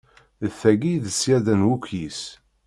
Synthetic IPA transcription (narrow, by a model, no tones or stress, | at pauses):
əθːæɡiðəsjæðənwukʷːjis